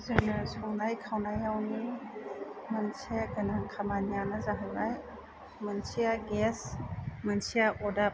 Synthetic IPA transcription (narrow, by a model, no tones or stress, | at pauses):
zanəsɔŋnajkʰawnajawni | mənsijaɡɯnaŋkʰamanijanazaɦajbaj | mɐnsiaɡesmɐnsijaʔɔda